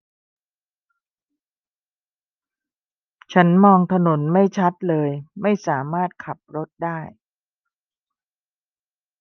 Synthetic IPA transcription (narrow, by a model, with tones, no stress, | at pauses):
t͡ɕʰa˦˥nmɔː˧ŋt̪ʰa˧no˩˦nma˥˩jt͡ɕʰa˦˥t̪̚lɤː˧jma˥˩jsaː˩˦maː˥˩t̪̚kʰa˨˩p̚ɾo˦˥t̪̚daː˥˩j